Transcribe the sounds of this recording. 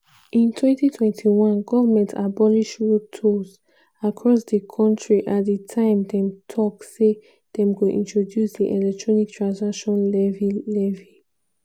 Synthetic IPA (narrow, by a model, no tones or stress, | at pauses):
ʔĩntʰwɛ̃ntitʰwɛ̃ntʰiwɔ̃nɡɔvəmɛ̃ntʰabɔliʃɹotʰoz | akʰɹɔsdəkʰɔ̃ntɹiʔatdətʰãɪ̃mdɛ̃mtʰɔkse | d̥ɛ̃mkoʔĩntɹodjusdiʔɛlɛk̚tʰɹɔnik̚tʰɹãnsakʃɔ̃nlɛvilɛvi